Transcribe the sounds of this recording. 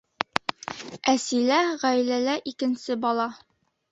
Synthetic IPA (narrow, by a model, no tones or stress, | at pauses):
æsilæʁæjlælæʔikɘ̆nsɘbɑlˠɑ